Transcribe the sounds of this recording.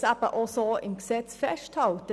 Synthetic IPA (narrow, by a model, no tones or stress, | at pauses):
sæbəʔɔsoɪ̰mksɛt͡sfɛʃthɑltə